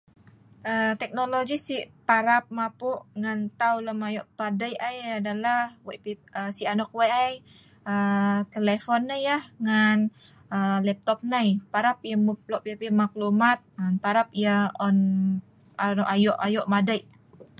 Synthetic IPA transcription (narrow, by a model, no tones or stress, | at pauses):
ʔət̪ɛk̚noloɡisiʔpaɾap̚mapuʔŋant̪awləmajɔʔpadajʔajadalahwaʔpiəsianɔk̚wajʔaj | ət̪əlefɔnːəjahŋan | əlɛp̚t̪ɔp̚najpaɾap̚jəmup̚lɔʔpepimaklumat̪̚anpaɾap̚ijəɔn | anɔʔajɔʔajɔʔmadajʔ